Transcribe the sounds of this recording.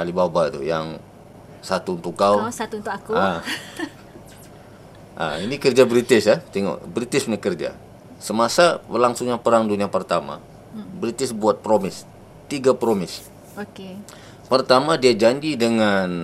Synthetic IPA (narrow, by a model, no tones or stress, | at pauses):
ʔalibabat̪ṵjaŋ | sat̪uːnt̪ukkawsat̪uunt̪ʊkakua | ʔa̰inikərd͡ʒabɾit̪ɪsjat̪iŋo̰bɾit̪ɪsmɲakərd͡ʒa̰ | səmasabəlaŋsʊŋɲapəɾaŋduniapərt̪ama̰ | bɾit̪ɪsbuat̪̚pɾomɪs | t̪iɡapɾomɪs | oke | pərt̪amadiad͡ʒaɲd͡ʒidəŋan